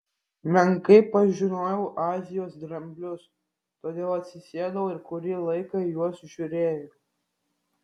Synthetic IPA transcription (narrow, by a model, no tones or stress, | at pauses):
mʲɛŋkɐɪpɐʒʲɪnoːjɛʊʔɑːzʲɪjoːsd̪ɾɐmʲbʲlʲʊs | t̪oːd̪ʲeːlˠɐt̪ʲsʲɪsʲeɛd̪ɐʋoɪɾkʊɾʲɪlˠɐɪkɐɪjuɔsʒʲʊɾʲeːjo